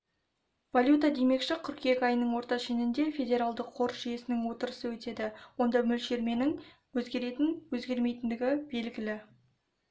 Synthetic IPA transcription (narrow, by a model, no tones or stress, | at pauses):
valʲjut̪ɑd̪e̞me̞kʃɪkʲʰʏɾkʲʰe̞kʲɑjənəɴwo̞ɾt̪ɑʃe̞nɪnd̪e̞fʲe̞d̪ʲe̞ɾalˠd̪əqʰːo̞ɾsʒ̥ije̞sɪnɪŋwo̞t̪əɾəsəwɵt̪e̞d̪ɪwo̞nd̪ɑmʏlʃe̞ɾme̞nɪŋ | wɵzɡʲe̞ɾe̞t̪ɪnwɵzɡʲe̞ɾme̞jt̪ɪnd̪ɪɡʲɪbe̞lɡʲɪlɪ